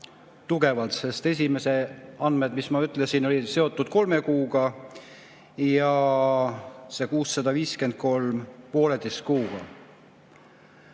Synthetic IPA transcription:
t̪uɡe̞vɑlt̪se̞st̪e̞s̬ʲime̞se̞ɑnmed̪̥mismɑyt̪ːˑlesino̞lise̞o̞t̪ːˑud̪̥̚ko̞lme̞kuːɡ̥ɑ | jɑ | se̞kuːsːɑd̪̥ɑviːske̞nd̪̥̚ko̞lmpo̞ːle̞d̪̥est̪̚kuːɡ̥ɑ̰

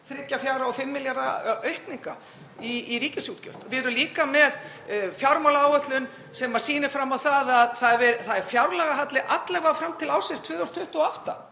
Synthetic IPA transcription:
θɾɪc̪ːafjawɾaɔfɪmːɪljaɾðaœɥhkniŋka̰ | iːɾiːcɪsjut̪cœ̰l̥t̪vɪɾʏliːkamɛð | fjawɾmawlaaːwœt̪lʏn | sɛmḁsiːnɪ̥fɾamːawθaðaðθaðvɛɾθaðɛɾ̥fjawɾlɛɣaɦat̪lɪʔat̪lɛvafɾamt̪ʰɪlaːwsɪst̪ʰvʏːðawst̪ʰʏht̪uɔawht̪a̰

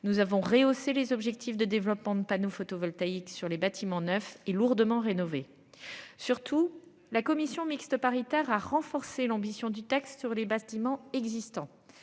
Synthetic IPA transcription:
nuzavɔ̃ʁeoselezɔbʒɛk̚t̪ifd̪əd̪evlɔpmɑ̃d̪əpanofot̪ovɔlt̪aiksyʁlebat̪ʰimɑ̃nœfeluʁd̪əmɑ̃ʁenɔve | syʁt̪ʰu | lakɔmisjɔ̃mikst̪əpaʁit̪ɛʁaʁɑ̃fɔʁselɑ̃bisjɔ̃d̪yt̪akst̪syʁlebat̪imɑ̃ɛɡzist̪ɑ̃

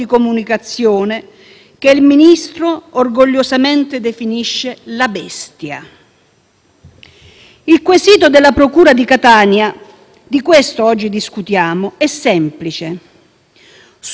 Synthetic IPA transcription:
ikomunikat̪sːjoːne | kelminist̪ɾoorɡoʎːozament̪ed̪efiniʃːelabɛst̪ja | ilkwesiːt̪od̪elːapɾokuːɾad̪ikat̪aːnja | d̪ikwest̪oɔd͡ʒːid̪iskut̪jaːmʊɛsːɛmplit͡ʃe | s

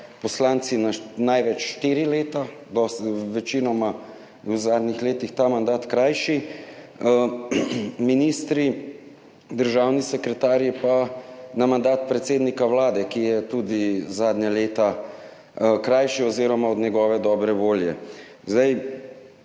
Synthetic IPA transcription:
pɔslaːnt̪sinanajʋɛt͡ʃʃt̪iːɾileːt̪ad̪ɔsʋɛt͡ʃinɔma | uzaːd̪nixleːt̪ixt̪aːmand̪aːt̪kɾajʃi | minist̪ɾi | d̪əɾʒaːwnisɛkɾɛt̪aːɾjipanamand̪aːt̪̚pɾɛt̪seːd̪nikawlaːd̪ɛkijɛt̪ud̪izaːd̪ɲaleːt̪a | kɾajʃiɔziɾɔmaɔd̪nɲɛɡɔːʋɛd̪ɔːbɾɛʋoːljɛ̰ | zd̪aj

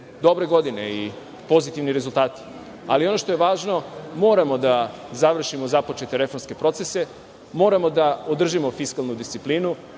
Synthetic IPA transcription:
d̪o̞bɾe̞ɡo̞d̪ine̞i | po̞zit̪iʋniɾe̞zulˠt̪aːt̪i̥ | alio̞no̞ʃt̪o̞je̞ʋaːʒno̞mo̞ːɾamo̞d̪azaʋr̩ʃimo̞zapo̞t͡ʃe̞t̪eɾe̞fo̞ɾmske̞pɾo̞t̪sese̞ | mo̞ːɾamo̞d̪aod̪r̩ʒimo̞fiskalˠnud̪ist̪siplinu

